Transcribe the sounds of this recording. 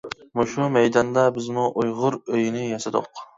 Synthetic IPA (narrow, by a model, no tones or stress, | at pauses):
muʃumɛjd̪ɑnd̪ɛbɪzmuʔujʁʊɾøjnɪjɑsɨd̪ʊ̰q